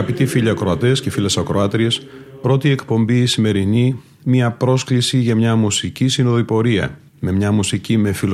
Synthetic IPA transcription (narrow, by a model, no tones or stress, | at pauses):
ɐpit̪ifiʎɐːkɾoɐt̪e̞sce̞filesɐkɾoɐt̪ɾie̞s | pɾo̞t̪ie̞kpo̞mbiːsime̞ɾini | miɐpɾo̞sklisiʝɐmɲɐmusicisinoðoipo̞ɾiɐ̰ | me̞mɲɐmusicime̞fil